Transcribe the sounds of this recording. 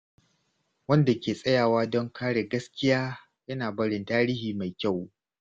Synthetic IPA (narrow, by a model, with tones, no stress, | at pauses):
wɐ˦nda˨kʲeː˨sʼɐ˦jaː˨waː˦dɔ˦ŋkʰaː˦ɽe˨ɡɐ˦skʲɪ˦jaː˦ | jɐ˦naː˨bɐ˦ɽɪ˨ntaː˦ɽɪ˦hiː˨ma˨jkʲa˦˨w